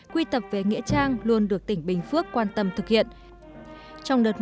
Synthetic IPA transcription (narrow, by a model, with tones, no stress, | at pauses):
kwi˧t̪ə˨˩p̚ve˨˩ŋḭ˧˥ət͡ɕaː˧ŋlu˧ənɗɨ˨˩ək̚t̪ï˧˩ŋ̟ɓï˨˩ŋ̟fɨ˦˥əkːwaː˧nt̪ə˧mt̪ʰɨ˨˩k̚hḭ˧˨ən | t͡ɕɔ˧wŋ͡mɗəː˨˩t̚